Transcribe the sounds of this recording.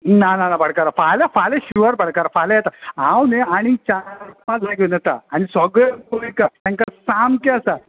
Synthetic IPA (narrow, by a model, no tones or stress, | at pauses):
nananabəɽkaɾafalafaleɕiʋəɾbəɽ̤kaɾafalajɛt̪aɦãwneaɽ̃it͡ɕaɾmãd͡zlakenət̪a̰ːñisɔɡɾekoikat̪ãŋkasamkeəsa